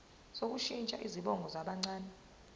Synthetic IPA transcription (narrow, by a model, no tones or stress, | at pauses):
sok̬uʃint͡ʃʼa̰ʔiziɓɔŋɡʱɔzaɓaŋ͡ǀaːnɛ